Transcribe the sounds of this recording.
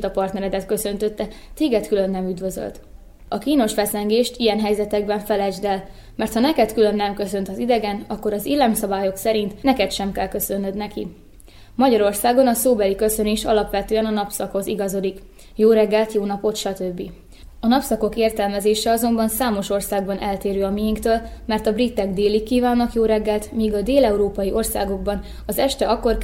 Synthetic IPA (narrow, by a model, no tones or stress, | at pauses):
t̪ɒpɒrt̪nɛɾɛd̪ɛt̪̚kø̞sø̞nt̪ø̞t̪ːɛt̪eːɡɛt̪kylø̞nːɛmyd̪ʋø̞zø̰lt̪ | ɒkiːno̞ʃʋɛsɛŋɡeːʃt̪ijɛnɦɛjzɛt̪ɛɡ̚bɛɱfɛlɛd͡ʒd̪ɛl | mɛrt̪hɒnɛkɛt̪kylø̞nːɛmkø̞sø̞nt̪ɒzid̪ɛɡɛnɒkːo̞ɾɒziːlːɛmsɒbaːjo̞ksɛɾint̪nɛkɛt̪ʃɛmkɛlkø̞sø̞nːød̪nɛkḭ | mɒɟɒɾo̞rsaːɡonɒsoːbɛlikø̞søneːʃɒ̰lɒpʋɛt̪øːɛnɒnɒpsɒkho̞ziɡɒzod̪ik | joːɾɛɡːɛlt̪joːnɒpo̞t̪ʃɒt̪øbːi | ɒnɒpsɒko̞keːrt̪ɛlmɛzeːʃɛɒzo̞mbɒnsaːmo̞ʃo̞rsaːɡ̚bɒnʔɛlt̪eːɾøːɒmijiŋkt̪øːlmɛrt̪ɒbrit̪ːɛɡd̪eːlikːiːvaːnːɒkjoːɾɛɡːɛlt̪miːɡɒd̪eːlɛuɾoːpɒjiʔo̞rsa̰ːɡo̞ɡbɒn | ɒzɛʃt̪ɛɒkːo̞r